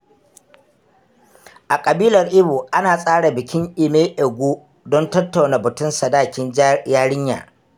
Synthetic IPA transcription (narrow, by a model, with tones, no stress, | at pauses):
ʔa˨kʼɐ˨biː˦lɐ˨rʔɪ˦buː˨ʔa˦naː˨sʼaː˦ɽa˨bɪ˨kʲɪ˦ŋʔɪ˨meː˦ʔɛ˨ɡʷuː˦ | dɔ˦ntɐ˦tːa˨wna˨bʊ˨tʊ˦nsa˨daː˦˨kʲɪ˦njaː˦ɽɪ˦ɲja̰ː˨